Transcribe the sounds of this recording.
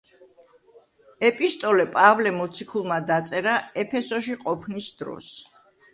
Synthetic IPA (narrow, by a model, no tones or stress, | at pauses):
ɛpʼist̪ʼɔlɛpʼavlɛmɔt̪sʰikʰulˠmad̪at̪sʼɛɾaɛpʰɛsɔʃiqʼɔpʰnisd̪ɾɔ̰s